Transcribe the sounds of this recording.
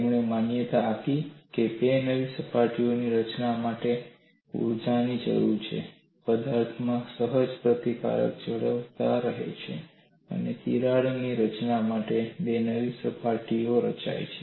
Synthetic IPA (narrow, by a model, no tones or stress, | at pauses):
mɳemanjət̪aːkikebenəʋisəpaʈioniɾət͡ʃnamaʈe | ṵɾd͡ʒanid͡ʒə̰ɾuɾt͡ʃʰḛ | pəd̪aɾt̪ʰmãsəɦəd͡ʒpɾət̪ika̰ɾə̰k̚d͡ʒəɭəʋt̪aɾəɦḛt͡ʃʰḛ | ə̰net̪ḭɾaɭniɾət͡ʃnamaʈebenəʋisəpaʈioɾət͡ʃa̰jt͡ʃʰe